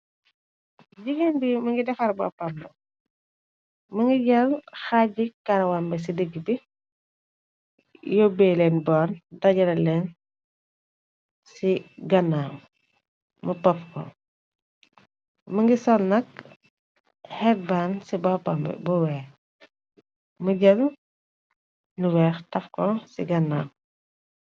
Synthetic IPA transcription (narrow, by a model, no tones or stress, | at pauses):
ɟiɡenbimɐŋɡidɛfɐɾbɔ̰ːpɐmbɛ | mɐŋɡiɟɐlxaɟikːɐɾɐwambɛs̬idəɡibi | jɔbɛlɛnbɔːndɐɟɐɾɐlɛn | siɡɐnaːm | mɐpɔfkɔ̰ | mɐŋɡisɔːnːɐk̚ | hɛk̚bansibɔpɐmbɛ̰bɔwɛː | məɟɐn | nuwɛːxtɐfkɔsḭɡɐnːaːm